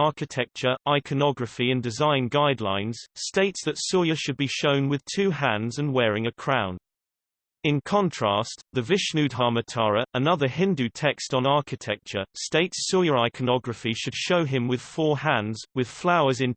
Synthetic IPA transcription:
ɑˑkɪtʰɛk̚t͡ʃəɹʔaɪkʰənɒɡɹəfiə̃ndɪzãɪ̃nɡaɪdˡlã̰ɪ̃nz̥steɪtsðətsɔjəʃəd̚biʃə̃ʊ̃nwɪð̥tʰʉːhæ̃ndzə̃nwɛːɹɪ̃ŋəkʰɹ̥ãʊ̃n | ɪ̃nkʰɒ̃ntʰɹ̥ɑˑsðəvɪʃnʉdɦɑːmətʰɑːɹəʔənʌðəɦɪ̃ndʉtʰɛkstn̩ɑˑkɪtʰɛk̚t͡ʃəsteɪtsɔjəɹaɪkʰənɒɡɹəfiʃəd̥ʃəʊɪ̃mwɪð̥fɔːhæ̃ndzwɪð̥flaʊəzɪ̃n

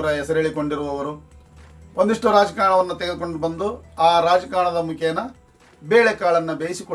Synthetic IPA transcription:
ɾɐɦɛsɐɾeɭikoɳɖiɾuʋɐʋɐɾu | o̞nd̪iʂʈuɾaːd͡ʒɐkaːɾɳɐʋɐnːut̪eɡed̪uko̞ɳɖubɐnd̪uaːɾaːd͡ʒɐkaːɳɐd̪ɐmukʰɐnɐ | beːɭekaːɭɐnːɐbeːsiko

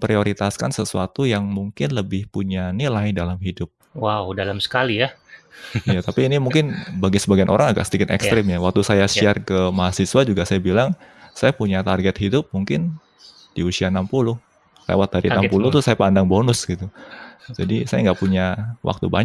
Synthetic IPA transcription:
pɾioɾit̪askansəsuat̪ujaŋmuŋkɪnləbɪhpuɲanilajdalamɦidʊp̚ | wawdalamsə̥kalija | ijat̪apiːnimuŋkɪnbaɡisəbaɡianʔo̰ɾaŋaɡa̰ʔsədikɪt̪ɛ̰kst̪ɾɪmjawak̚t̪usajasiarkəmaɦasiswad͡ʒuɡasajabilaŋsajapuɲat̪arɡɛt̪̚hidʊp̚muŋkɪn | d̥iusianampulʊh | lḛwat̪̚daɾinampulʊht̪usajapandaŋbonʊsɡit̪ud͡ʒadisajaŋɡaʔpuɲawʔa̰k̚t̪ṵba̰ɲ

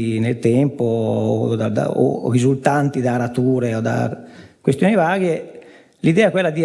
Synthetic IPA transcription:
nelt̪ɛmpo̰d̪ad̪a̰o̰rizult̪ant̪id̪aɾat̪uːɾeod̪a̰kwest̪joːnivaːɡe | lid̪ɛːɛkwelːad̪i

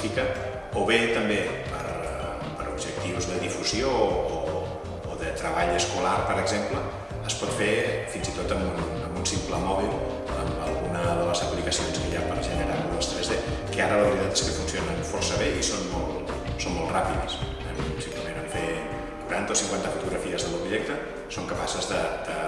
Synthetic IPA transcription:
ikə | oβet̪əmbe | pəɾ | pəɾubʒək̚t̪iwzðəðifuzjoː | ðət̪ɾəβaʎəskulaɾpəɾəɡzempləː | spɔt̪fefinzit̪ot̪əmbun | əmbunsimpləmɔβilˠ | ə̰mə̰lˠɣunəðələzəplikəsionskəʎapəɾʒənəɾaɾuləst̪ɾezðekəaɾələβɾiðat̪eskəfunsionənfɔrsəβeisonmɔlˠt̪ | sonmɔlˠt̪rapiðəs | əmisik̪əmenəɱfe | kuɾant̪əosiŋkwant̪əfut̪uɣɾəfiəzðəluβʒɛk̚t̪ə | soŋkəpasəzðəd̪̥ə

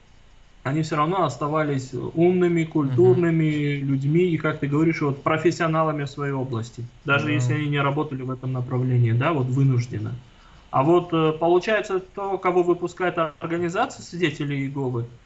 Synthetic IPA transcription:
ɐnʲifsʲoɾɐvno̞ɐst̪ɐvalʲɪsʲumnɨmʲɪkʊlʲt̪urnɨmʲɪlʲʉdʲmʲiːkak̚t̪ɨɡəvɐɾʲiʂvo̞t̪pɾəfʲɪsʲːɪɐnalˠəmʲɪfsvɐjejo̞blˠəsʲtʲɪd̪aʐɨjesʲlʲɪɐnʲinʲɪɾɐbo̞t̪əlʲɪvɛt̪əmnəpɾɐvlʲenʲɪːd̪avo̞t̪vɨnʊʐdʲɪ̰nə̰ | a̰vo̞t̪ːpəlˠʊt͡ɕæjɪt̪sət̪o̞kɐvo̞vɨpʊskajɪt̪ɐrɡənʲɪzat̪sɨjsvʲɪdʲetʲɪlʲɪjɪɡo̞vɨ

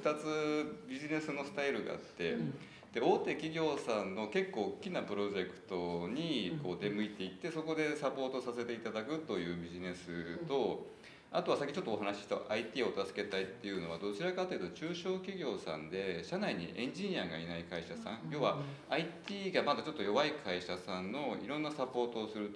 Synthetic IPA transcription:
ɯ̥t̪at͡sɨbʲiʑine̞sɨno̞sɨ̥t̪aiɾɯ̟ɡa̰a̰t̪ːe̞ | d̪̥e̞o̞ːt̪e̞kʲiɡʲo̞ːsãnːo̞ke̞kːo̞ːkʲːinapɯ̟ɾo̞ʑe̞kɯ̟̥t̪o̞ɲ̟iko̞ːd̪e̞mɯ̟it̪e̞it̪ːe̞so̞ko̞d̪e̞sapo̞ːt̪o̞sase̞t̪e̞it̪ad̪akɯ̟t̪o̞jɯ̟ːbʲiʑine̞sɨt̪o̞ | a̰t̪o̞βasakʲit͡ɕo̞t̪ːoːɦanaɕi̥ɕt̪a̰ʔait̪ʲiːo̞t̪asɨ̥ke̞t̪ait̪ːe̞jɯ̟no̞β̞ad̪o̞t͡ɕiɾakat̪ːeiɯ̟t̪ot͡ɕɨːɕo̞ːkʲiɡʲo̞ːsã̰nd̪e̞ɕanaiɲ̟ḭʔẽ̞ɲ̟d͡ʑiɲ̟iaɡainaikaiɕasã̰ŋ̃jo̞ːβa | ait̪ʲiːɡamad̪at͡ɕo̞t̪ːojo̞βaikʰaiɕasãnːo̞iɾõ̞nːasapo̞ːt̪o̞ːsɨɾɯ̟t̪

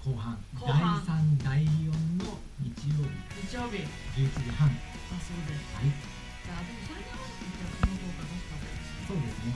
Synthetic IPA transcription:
ko̞ːɦãnkd̪aisãnd̪aijõ̞nːo | ɲ̟it͡ɕijo̞ːbʲḭɲit͡ɕijoːbʲid͡ʑɨːit͡ɕiʑihãŋ | asoːd̪eshai | d͡ʑad̪esanaa | it̪ːekinok̪oːkad̪ost̪at̪o | so̞ːd̪e̞sɨne

